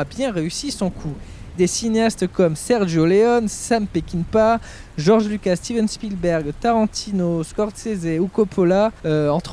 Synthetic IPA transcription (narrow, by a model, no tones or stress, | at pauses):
abjɛ̃ʁeysisɔ̃kʰu | d̪esineast̪kɔmsɛʁʒoleɔnsampekʲinpa | ʒɔʁʒlykast̪ivɛnspilbɛʁɡt̪aʁɑ̃t̪ʰinoskɔʁt̪sezeukɔpʰɔlaøɑ̃t̪χ